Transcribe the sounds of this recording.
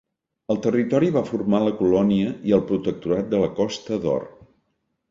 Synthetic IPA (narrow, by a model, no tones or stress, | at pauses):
əlˠt̪ərit̪ɔɾiβafurmaləkulɔniəiəlˠpɾut̪ək̚t̪uɾat̪̚d̪ələkɔst̪əðɔ̰r